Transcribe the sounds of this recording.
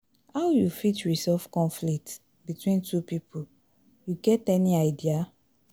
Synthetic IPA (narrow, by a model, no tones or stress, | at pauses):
hawjufitɹisɛlfkɔ̃nflik̚t | bitwĩntʰupipʰu | juɡɛtɛniaɪdia